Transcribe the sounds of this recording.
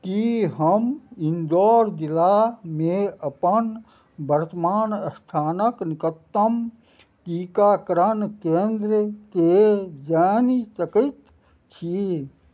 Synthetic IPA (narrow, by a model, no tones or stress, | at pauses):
kiɦəmɪnd̪ɔːɾd̪ilameəpən | bəɾt̪əmaːnəst̪ʰaːnəknɪkət̪ːəm | kikakɾənkẽːnd̪ɾked͡ʒaːnisəkət̪ | t͡ʃʰi